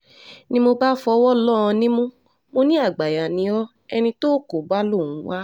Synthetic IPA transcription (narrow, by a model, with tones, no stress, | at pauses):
nĩ˦mo˧ba˦fɔ˧˦wɔ˦lɔ˦˨ɔ̃˧nĩ˦mũ˦ | mo˧nĩ˦a˦˨ɡ͡ba˨ja˨nĩ˨˦ɔ˦ | ɛ˧nĩ˧to˦˨ko˨ba˦lo˦˨ũ˨˦wa˦